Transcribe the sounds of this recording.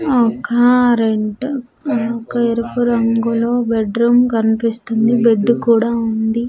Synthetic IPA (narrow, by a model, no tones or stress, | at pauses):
ɔkaaɾeɳʈ | ɔkɐeɾɐpuɾɐŋɡoloːbeɖɾuːmkɐnipist̪und̪ibeɖːukuːɽaːund̪i